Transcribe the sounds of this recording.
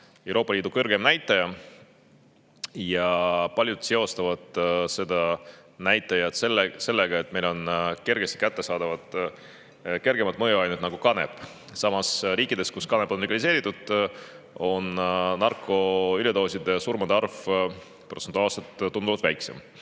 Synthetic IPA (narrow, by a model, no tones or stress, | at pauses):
e̞wɾo̞ːpːˑɑliːd̪ukɤrɡ̥emnæjt̪ːˑɑjɑ | jɑpɑlʲjud̪̥se̞o̞st̪ɑvɑd̪̥se̞d̪̥ɑnæjt̪ːˑɑjɑt̪selːese̞lːe̞ɡ̥ɑe̞t̪̚ːˑme̞jlo̞nke̞rɡ̥e̞st̪i̥kæt̪ːe̞sɑːd̪ɑvɑd̪̥ | ke̞rɡe̞mɑt̪ˑmɤjuɑjnut̪nɑɡ̥ukɑne̞̰bˑ | sɑmɑsɾiːkːˑid̪e̞skuskɑne̞bo̞nliɡɑlise̞ːɾit̪ːˑud̪̥ | o̞nnɑrkːˑo̞ylʲet̪o̞ːsid̪̥esurmɑd̪ɑrv | prot̪sent̪uɑːlset̪ːund̪uvɑd̪væjksem